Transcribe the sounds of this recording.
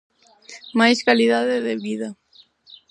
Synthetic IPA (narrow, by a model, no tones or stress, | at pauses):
majskaliðaðeðeβiða